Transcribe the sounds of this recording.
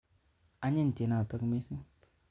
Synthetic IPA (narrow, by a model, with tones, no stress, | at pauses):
a˦ɲi˦n˨te˨na˨ta˦kme˦si˦ŋ